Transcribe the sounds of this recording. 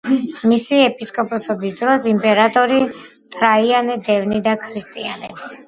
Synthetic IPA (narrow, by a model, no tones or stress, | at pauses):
misiɛpʼiskʼɔpʼɔsɔbisd̪ɾɔsimpʼɛɾat̪ʼɔɾit̪ʼɾaianɛd̪ɛvnid̪akʰɾist̪ʼianɛps